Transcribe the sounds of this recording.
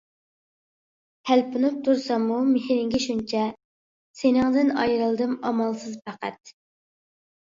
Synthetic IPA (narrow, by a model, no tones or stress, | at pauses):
hælpunɨp̚t̪ʰuɾsɑmumehɾɪŋɡʲɪʃunt͡ʃʰɛ | senɪŋd̪ɪnɑ̰jɾɨlˠd̪ɨmɑmɑlˠsɨzpæqʰæ̰t̪̚